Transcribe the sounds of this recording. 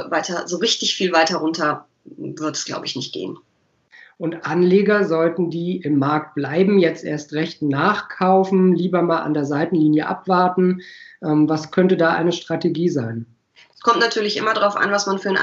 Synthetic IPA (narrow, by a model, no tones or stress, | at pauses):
vaɪtʰɐzoːʁɪçtɪçfiːlvaɪtɐʁʊntʰɐ | vɪɐtɛsɡ̥la̰ʊbəɪçnɪçt̚ɡ̥ḛːən | ʔʊntʔanleːɡɐzɔltn̩diːʔɪmːaɐk̚t̚b̥laɪbm̩jɛt͡stʔḛːɐstʁɛçtnaːχkʰaʊfn̩liːbɐmaːlʔa̰ndeːɐzaɪtn̩liːnjəʔa̰pv̥aɐtn̩ʔɛmvaskʰœntədaːʔa̰ɪnəʃtʁ̥ateɡiːzaɪn | skʰɔmtnatʰyːɐlɪçʔɪ̰mɐdʁaʊfʔa̰nvasmanfyːɐnʔ